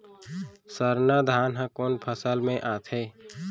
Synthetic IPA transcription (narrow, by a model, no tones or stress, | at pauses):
səɾnad̪ʱaːnɦə̃koːnpʰəsəlmẽʔat̪ʰɛː